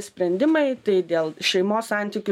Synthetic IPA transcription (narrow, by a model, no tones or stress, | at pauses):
sʲpʲɾʲɛnʲd̪ʲɪmɐɪt̪ɐɪd̪ʲeːlˠʃʲɛɪmoːssɑˑnʲt̪ʲiːkʲʊ